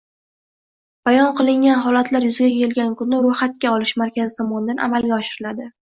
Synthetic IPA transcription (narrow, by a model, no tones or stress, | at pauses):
b̥ajɒnqʰɨlˠɪŋʲanɦɒlat̪ʰlaɾjʊzɪɡʲakʲʰe̞ɪlɡʲankʊnːɪɾʊjχat̪̚kʲaɒlɪʃmaɾkʲazɪt̪ʰɒmɒnɪd̪anʔa̰malɡʲaɒʃɪɾɪlad̪ɪ